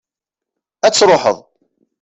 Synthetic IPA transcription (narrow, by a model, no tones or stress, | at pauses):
æt͡sːɾˤoħə̰ðˤ